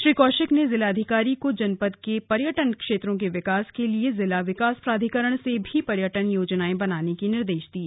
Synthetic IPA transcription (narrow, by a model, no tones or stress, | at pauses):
ʃɾiːkɔːʃɪknezɪlad̪ʱɪkaːɾikod͡ʒɐnpəd̪̚kepɐɾjəʈənkʃeːt̪ɾõk̬eʋɪkaːskeliezɪlaʋɪkaːspɾaːd̪ʱikəɾəɽ̃sebʱipɐɾjəʈənjoːd͡ʒnaːẽbɐnaːnekinɪɾd̪eːʃd̪iː